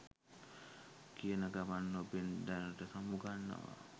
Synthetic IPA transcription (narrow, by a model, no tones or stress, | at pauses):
kiənaɡaʋanːobend̪anəʈəsamuɡanːa̰ʋa̰